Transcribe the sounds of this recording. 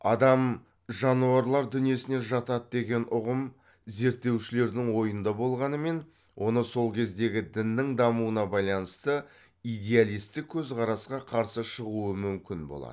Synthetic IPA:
ɑd̪ɑm | ʒɑnuɑɾlˠɑɾd̪ʏnije̞sɪne̞ʒɑt̪ɑt̪̚d̪e̞ɡʲe̞nʔʊʁəm | ze̞ɾt̪ːe̞wʃɪle̞ɾd̪ɪŋwo̞jənd̪ɑbo̞lˠʁɑnəme̞n | wʔo̞nəso̞lˠkʲʰe̞zd̪e̞ɡʲɪd̪ɪnːɪŋd̪ɑmuənɑbɑjlˠɑnəst̪ə | ijd̪ʲe̞alˠijst̪ɪk̚ʲʰːɵzqɑɾɑsqɑqʰɑɾsəʃəʁuəmʏmkʲɪnbo̰ɑ̰d̪

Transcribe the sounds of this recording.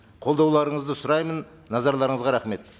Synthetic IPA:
qʰo̞lˠd̪ɑwlˠɑɾəɴəzd̪əsʊɾɑjmənː | ɑzɑɾlˠɑɾəɴəzʁɑɾɑχme̞t̪

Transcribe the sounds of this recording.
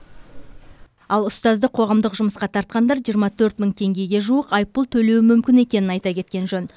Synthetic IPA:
ɑlˠʊst̪ɑzd̪əqʰo̞ʁɑmd̪əqʒʊməsqɑt̪ʰɑɾt̪̚qɑnd̪ɑɾʒijəɾmɑt̪ʰɵɾt̪məɴt̪ʰe̞ŋɡʲe̞ɡʲe̞ʒuəqɑjp̚pʊlˠt̪ʰɵle̞wɪmʏmkʲɪne̞kʲe̞nɪnɑjt̪ɑkʲe̞t̪̚kʲe̞nʒɵn

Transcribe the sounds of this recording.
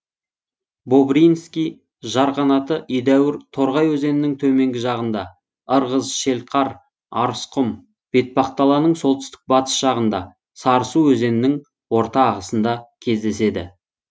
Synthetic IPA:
bo̞bɾijnskʲij | ʒɑɾqɑnɑt̪əʔijd̪æwɪɾt̪ʰo̞ɾʁɑjwɵze̞nɪnɪŋt̪ʰɵme̞ŋɡʲɪʒɑʁənd̪ɑ | əɾʁəzʃe̞lqʰɑɾ | ɑɾsqʊm | b̥e̞t̪̚pɑqt̪ɑlˠɑnəɴso̞lˠt̪ɪ̥st̪ɪ̥k̚bɑt̪ə̥sʒ̥ɑʁənd̪ɑ̰ | sɑɾəsuwɵze̞nɪnɪŋ | wo̞ɾt̪ɑːʁəsənd̪ɑkʲʰe̞zd̪e̞se̞d̪ɪ̰

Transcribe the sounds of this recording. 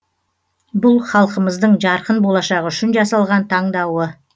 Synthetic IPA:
bʊlˠχɑlˠqəməzd̪əɴʒɑɾqənbo̞lˠɑʃɑʁʏʃɪnʒɑsɑlˠʁɑnt̪ʰɑɴd̪ɑwə

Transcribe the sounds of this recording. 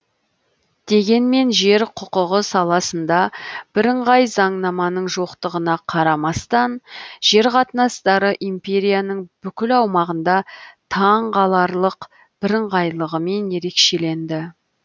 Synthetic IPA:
d̪̥e̞ɡʲe̞nme̞nʒe̞ɾqʰʊqəʁəsɑlˠɑsənd̪ɑb̥ɪɾɪɴʁɑjzɑɴnɑmɑnəɴʒo̞qt̪əʁənɑqʰɑɾɑmɑst̪ɑnʒ̥e̞ɾqʰɑt̪ənɑst̪ɑɾəʔimpʲe̞ɾʲijanəɴbʏkʲɪlɑwmɑʁənd̪ɑt̪ʰɑɴqɑlˠɑɾlˠəq | b̥ɪɾɪɴʁɑjlˠəʁəme̞nje̞ɾe̞kʃe̞le̞nd̪ɪ

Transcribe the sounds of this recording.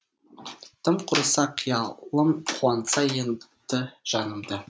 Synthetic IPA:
t̪ʰəmqʰʊɾəsɑqʰijɑlˠəmqʰuɑnsɑjent̪əʒ̥ɑnəmd̪ə

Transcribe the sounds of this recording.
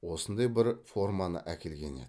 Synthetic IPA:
wo̞sənd̪ɑjbɪɾfo̞rmɑnə̰ʔækʲe̞lɡʲe̞̰nḛd̪ɪ

